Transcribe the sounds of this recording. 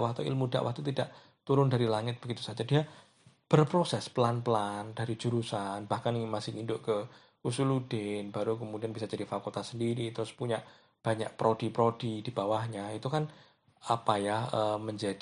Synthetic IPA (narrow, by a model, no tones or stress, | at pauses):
wakt̪uḭlmuda̰ʔwa̰k̚t̪ut̪idaʔ | t̪uɾʊndaɾilaŋɪt̪̚b̥əɡit̪u̥sad͡ʒadia | b̥ərpɾosɛspəlanpəlandaɾid͡ʒuɾusanb̥ahkaniŋɪnmasɪhɲindʊʔkə | kusuludenbaɾukəmudianbisad͡ʒadifakult̪asəndiɾit̪ɾʊspuɲaʔ | b̥aɲa̰ʔ̚pɾodipɾod̥idibawahɲait̪ukan | apajahəːməɲd͡ʒad